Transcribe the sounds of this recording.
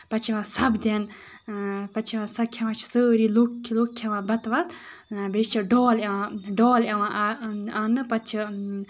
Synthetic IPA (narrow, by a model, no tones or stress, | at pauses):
pɐt͡ʃʰiʋãːsɐbd̪ʲen | pɐt͡ʃʰiʋãːsɐkʰɐʋãːt͡ʃʰsəːɾiːluklokʰːeʋãːbɐt̪ʋɐt̪ | bet͡ʃʰiɖɔːlaãɖɔːljɐʋãʔaːnɨpɐt͡ʃʰi